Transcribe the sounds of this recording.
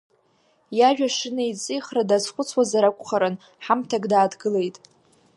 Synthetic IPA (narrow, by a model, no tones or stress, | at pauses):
jaʒᶣaʂɨnait͡sʼɨjχradazχʷʊt͡sʰwazaɾakʷʼχaɾɨn | ħamtʰaɡdaːdɡɨle̞jtʼ